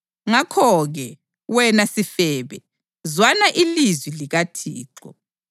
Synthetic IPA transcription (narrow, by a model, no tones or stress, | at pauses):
ŋakʰɔɣɛ | wɛnasifɛːβɛ | zwanaʔilizwiliɣatʰḭːǁɔ̰